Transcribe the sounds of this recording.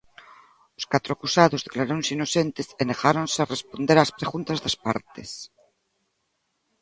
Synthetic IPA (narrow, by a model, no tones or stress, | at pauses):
oskat̪ɾoakusaðozðeklaɾonsinosent̪esenexaɾonsearespond̪eɾaspɾeɣunt̪azðaspa̰ɾt̪es